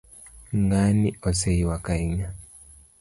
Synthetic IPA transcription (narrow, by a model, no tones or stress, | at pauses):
ŋɡaniɔsɛiwakaiɲa